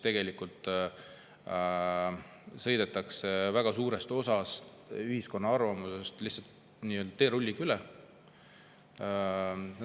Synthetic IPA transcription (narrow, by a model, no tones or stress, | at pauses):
t̪e̞ɡ̥e̞likult̪ˑ | sɤ̞jd̪e̞t̪ːˑɑksevæɡ̥ɑsuːɾe̞st̪o̞sɑst̪ | yhisko̞nːɑɑrvɑmuse̞st̪lihsːɑlt̪ | niːøld̪ɑ̥t̪e̞ːɾulʲːikylɛ